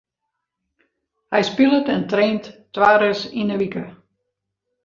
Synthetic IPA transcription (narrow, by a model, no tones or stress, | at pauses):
hɛjspilˠətɛntreːntːʋaːɾəsinəʋikə